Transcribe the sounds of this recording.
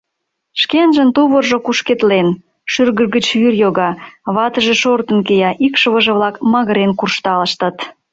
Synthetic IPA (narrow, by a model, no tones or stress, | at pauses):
ʃkenʒə̆nt̪uβərʒokuʃket̪len | ʃyrɣərɣət͡ɕβyrjoɣɑβɑt̪əʒĕʃort̪ənkejɑʔikʃəβəʒə̆βlɑkmɑɣəɾenkurʃt̪ɑlə̆ʃt̪ə̆t̪